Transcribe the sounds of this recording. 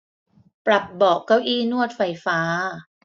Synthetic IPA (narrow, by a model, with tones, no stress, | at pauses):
pɾa˨˩p̚bɔː˨˩kːa˥˩wʔiː˥˩nu˥˩ət̪̚fa˧jfaː˦˥